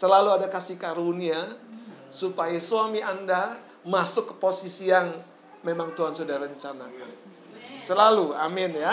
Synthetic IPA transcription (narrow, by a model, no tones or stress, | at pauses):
səlaluadakasihkaɾunia | supajasuamianda | masʊkːə̥posisiaŋ | memaŋt̪uɦansudahrəɲt͡ʃanaka̰n | səlaluamɪnja